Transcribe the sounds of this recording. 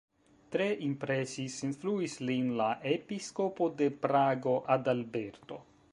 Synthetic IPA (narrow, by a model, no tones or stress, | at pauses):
t̪ɾeʔimpɾesisinfluislinlaʔepiskopod̪e̞pɾaɡo̞ʔad̪albeɾt̪o̰